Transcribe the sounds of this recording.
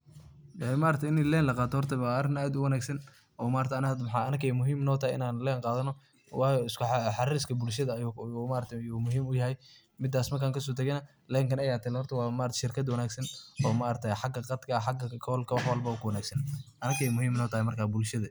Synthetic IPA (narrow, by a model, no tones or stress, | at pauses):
ɛmaːɾɐt̪ʰɛɪnɪlɛːnlɐqɑːt̪ʰɔhɔrt̪ʰɐwaːrɪnaːd̪ʊwɐnaːɡsɐn | ʔɔːmaːɾrt̪ʰnad̪mħɑːɐnɐkɛjmʊɦiːmnɔːt̪ʰɐhɛjɪ̰naːnlɛːnqɑːðɐnɔ | wɑːjɔɪskʊħɑɾskʰɐbʊlʃɐðɐmaːɾɐt̪ʰɛjuːmʊɦiːmʊjɐɦɛj | mɪd̪ːaːsmɐrkʰaːŋkʰɐs̬ɔːt̪ʰɐɣɛnɐ | lɛːŋkʰɐnɐjaːt̪ʰɐlɛhɔrt̪ʰɐwɑːmaːʔɾt̪ɛ̥ʃɪrkʰɐd̪wɐnaːɡsɐnɔːmaʔɾt̪ʰɛjħɑɡɐqɑd̪kʰɐħɑɡɐkʰɔːlkʰɐwɑħwɐlbɐɔkʰʊwɐnaːɡsɐnʔɐnɐɡɛjmʊɦiːmɪnɔːt̪ʰɐhɛjmɐrkʰaːbʊlʃɐðɐ